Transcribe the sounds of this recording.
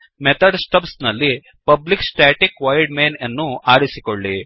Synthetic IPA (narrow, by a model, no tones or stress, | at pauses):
met̪ɐɖsʈɐpsnɐlːi | pɐbliksʈɾaːʈikʋɐjɖmeːnɐnːuʔaːɾisikoɭːi